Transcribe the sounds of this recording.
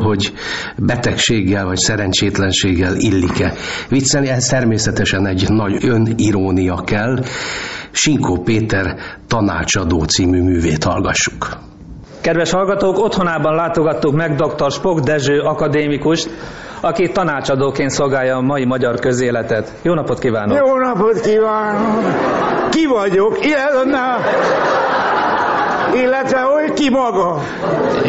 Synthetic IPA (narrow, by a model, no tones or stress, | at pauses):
ɦo̞ɟ | bɛt̪ɛkʃeːɡːɛlvɒcsɛɾɛnt͡ʃeːt̪lɛnʃeːɡːɛlilːikɛ | ʋit̪sɛlniɛɛst̪ɛrmeːsɛt̪ɛʃɛnɛɟːnɒɟøniɾoːnijɒkɛlː | ʃiŋkoːpeːt̪ɛrt̪ɒna̰ːt͡ʃɒd̪oːt̪siːmyːmyːveːt̪hɒ̰lɡɒʃːu̥k | kɛd̪ʋɛʃhɒlɡɒt̪oːko̞t̪ho̞naːbɒnlaːt̪o̞ɡɒt̪ːukmɛɡd̪o̞kt̪o̞rʃpo̞ɡd̪ɛʒøːɒkɒd̪eːmikuʃt̪ | ɒkit̪ːɒnaːt͡ʃɒd̪oːkeːnt̪so̞lɡaːjɒːmɒimɒɟɒrkø̞zeːlɛt̪ɛt̪joːnɒpo̞t̪kivaːnojoːnɒpot̪kivaːnokkivɒɟokiɛnːɛ | eːlːɛt̪ʋɛokimɒɡɒ